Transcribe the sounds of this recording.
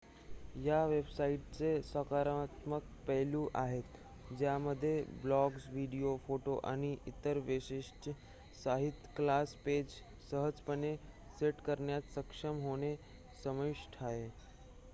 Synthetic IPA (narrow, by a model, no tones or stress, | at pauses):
jaʋebsaiʈ̚t͡sesəkaɾat̪mək̚pəɦlũʔaɦet̪ | d͡ʑjaməd̪ʱːjeblɔɡsʋiɽiofoʈoʔa̰ɽ̃iʔit̪əɾʋeɕiʂʈə | saɦit̪klasped͡ʑ | səɦəd͡zpəne | seʈkəɾɳjat̪səkʂəmɦoɽ̃e | səməiʂʈʰae